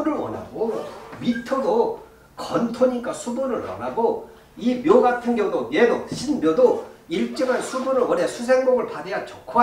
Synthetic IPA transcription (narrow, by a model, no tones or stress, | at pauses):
uɾɯɭwʌ̰na̰ɡoɥitʰodo | kʌntʰoɲik͈asʰudoɾɯɭwʌ̰naɡo | imjoɡatʰɯnɡjʌŋdoenoɕʰinbjodoiɭt͡ɕ͈ʌŋɦansʰudoɾɯɭwʌnesʰusʰe̞ŋmoɡɯɭpadejat͡ɕʌkʰa